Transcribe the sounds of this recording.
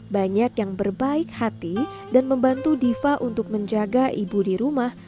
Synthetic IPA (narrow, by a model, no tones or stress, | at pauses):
baɲakjaŋbərbaɪk̚hat̪i | danməmbant̪udifaʔunt̪ʊk̚məɲd͡ʒaɡaʔibudiɾumah